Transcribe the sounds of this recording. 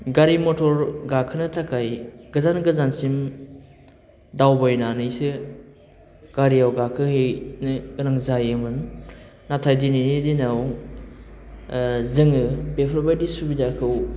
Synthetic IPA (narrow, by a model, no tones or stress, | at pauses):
ɡaɾimɔtʰɔɾɡakʰɯnɯtʰakajɡ̥ɯzanɡɯzansim | dawbajnanɯjsɯ | ɡ̥aɾiawɡakʰɯhejnɯɡɯnaŋzajɯmɯn | natʰajdininidinaw | zɯŋɯbepʰɾbajdisubidakʰɯw